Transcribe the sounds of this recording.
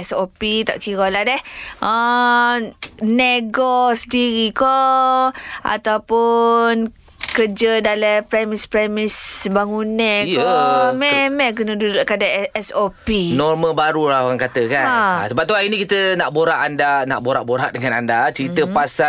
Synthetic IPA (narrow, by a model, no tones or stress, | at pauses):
ɛsopit̪a̰ʔkiɣoladɛhʔə | neɡɔsədiɾikɔ | ʔa̰t̪awpʊn | kəd͡ʒədalɛpɾɛmispɾɛmisbaŋunɛ̃ikɔmɛmɛk̬ənədudoʔkadaɛsopinɔrmə̃baɾulaoɣaŋkat̪əkaaa̰səbap̚t̪uainikit̪ənaʔboɾaʔandana̰ʔboɾaʔboɾaʔdəŋanandat͡ʃəɾit̪əpasa